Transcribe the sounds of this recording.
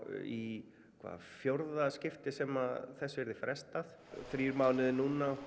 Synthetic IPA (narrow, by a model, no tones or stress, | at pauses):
i | kʰva̰ːðfjoɾðascɪft̪ɪsɛmaðθɛsːʏɛɾðɪfɾʔɛst̪aθ | θɾiɾmaːwnɪðnuːna